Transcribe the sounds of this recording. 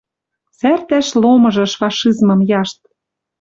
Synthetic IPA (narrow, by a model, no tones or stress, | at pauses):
sært̪æʃlomɤ̆ʒɤ̆ʃfɑʃizmɤ̆mjɑʃt̪̚